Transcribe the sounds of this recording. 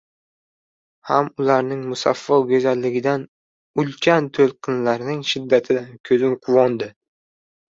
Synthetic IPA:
hamʊlaɾnɪŋmʊsa̰fːɒwɡʲɵzalːɪɡʲɪd̪an | ʊlkʲʰant̪ʰolˠqʰɨnlaɾnɪŋʃɪd̪ːat̪ʰɪd̪akʲʰɵzɪmqʰʊvɒnd̪ɪ

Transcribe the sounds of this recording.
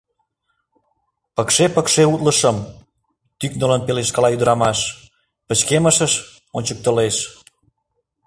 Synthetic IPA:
pəkʃepəkʃeut̪ləʃəm | t̪yknələnpeleʃkəlɑyd̪əɾɑmɑʃ | pət͡ɕkeməʃəʃ | onʲt͡ɕək̚t̪əleʃ

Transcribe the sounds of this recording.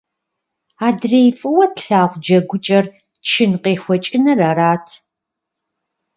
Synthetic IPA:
aːdrejfʼɨwɔtɬaːʁʷd͡ʒɐɡʷʊt͡ʃʼɐr | ʃɪnqeːxʷɔt͡ʃʼɪnɐraɾaːtʰ

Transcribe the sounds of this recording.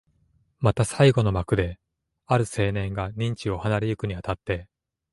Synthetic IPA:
mat̪asaiɡo̞no̞makɯ̟d̪e̞ | aɾɯ̟se̞ːnẽ̞ŋɡaɲ̟ĩɲ̟t͡ɕio̞hanaɾʲijɯ̟kɯ̟ɲ̟iat̪at̪ːe̞

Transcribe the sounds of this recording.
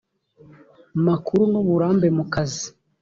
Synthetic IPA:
makuɾunoβuɾaːmbe̞mukazi

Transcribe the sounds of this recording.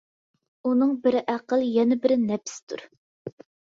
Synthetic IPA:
unɨŋbɪɾʔæqəlˠjɛnɛbɪɾɪnɛpsɪ̥t̪ʰṵɾ

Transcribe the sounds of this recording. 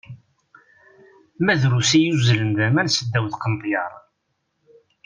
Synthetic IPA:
mæðɾusijuzləmd̪æmænsəd̪ːæwðqənt̪ˤjɑɾˤ

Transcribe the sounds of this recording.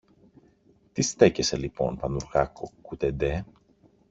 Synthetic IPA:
t̪ist̪e̞ce̞se̞lipo̞̰npɐnuɾɣɐkokut̪ed̪e

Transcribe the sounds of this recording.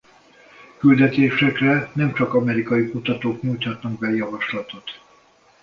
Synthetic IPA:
kyld̪ɛt̪eːʃɛkrɛnɛmt͡ʃɒkɒmɛɾikɒjikut̪ɒt̪oːkɲuːjc̪hɒt̪nɒɡ̚bɛjɒvɒʃlɒt̪o̞t̪

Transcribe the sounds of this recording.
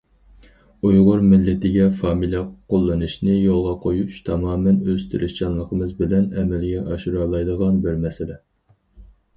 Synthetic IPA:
ujʁʊɾmɪlːɪt̪ɪɡʲɛfɑːmilʲɛqʰolˠːɨnɨʃnɨjolˠʁɑqʰojut͡ʃt̪ʰɑmɑːmɛnøst̪ʰyɾʔɪʃt͡ʃɑnlˠəqʰəmɨzbɪlɛnɛmɛlɡʲɛʔɑʃuɾɑːlˠɑjd̪əʁɑnbɪɾmɛsɪlɛ

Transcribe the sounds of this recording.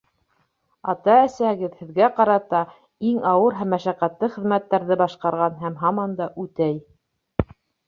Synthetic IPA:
ɑt̪ɑæsæhɘ̆ɡɘðhɘ̆ðɡæqɑɾɑt̪ɑ | iŋɑwɤɾɦæmːæʃæqæt̪lɘχɘ̆ðmæt̪ːæɾðɘbɑʃqɑɾʁɑnɦæmɦɑmɑnd̪ɑʔʉt̪æj

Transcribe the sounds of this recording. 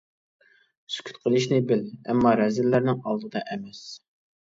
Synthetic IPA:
sy̥kʲʰy̥t̪qʰəlˠɨʃnɪbɪlɛ̰mːɑɾɛzɪlːæɾnɪŋɑlˠd̪ɨd̪ɑʔɛmɛs

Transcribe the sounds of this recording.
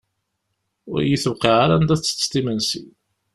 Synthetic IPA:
ʊ̰ɾjiθwqiʁaɾand̪æθt͡sːst̪imænsḭ

